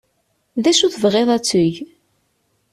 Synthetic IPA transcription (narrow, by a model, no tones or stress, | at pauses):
ðæʃuθəvʁeðˤæt͡sːʊʝ